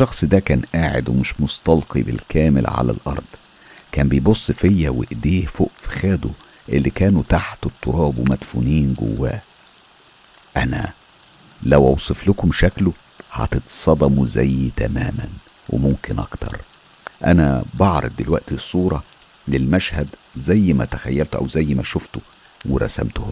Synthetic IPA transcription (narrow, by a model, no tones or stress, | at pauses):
ʃːɑxsˤd̪ækæːnʔaːʕḛd̪wemɪʃmost̪ɑlqibɪlkʰæːmɪ̰lʕa̰læ̰lʔɑ̰ɾˤd̪̥ˤ | kæːmbejbosˤːfejːæwḛʔd̪iːhfoʔfi̥xæːd̪o | ʔelːikæːnut̪aħt̪et̪ˤːoɾˤɑːbwemæd̪funiːnɡo̰wːæ̰ː | ʔænæ̰ | læwʔɑwsˤeflʊkomʃæklʊ | hɑ̰t̪et̪sˤɑd̪ˤɑmuzæjːt̪æmæːmæ̰n | wḛmomkɪnʔɑ̰kt̪ʰɑ̰ɾˤ | ʔæ̰næ̰bɑʕɾˤɑ̰b̚d̪elwæʔt̪isˤːuːɾˤɑ | lelmæʃhæd̪zæjːmæt̪æxæjːælt̪oʔæ̰wzæjːmæʃoft̪o | weɾˤɑ̰sæ̰mt̪ʊh